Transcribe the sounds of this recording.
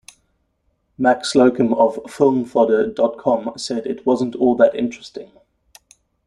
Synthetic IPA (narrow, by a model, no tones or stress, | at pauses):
maksləʊkə̃məv̥fɪlˠmθɔɾədɒt̚kʰɒ̃msɛdɪʔwɒzə̃ntʰɔːlˠðətɪ̰̃nt͡ʃɹ̥ɛstɪ̃ŋ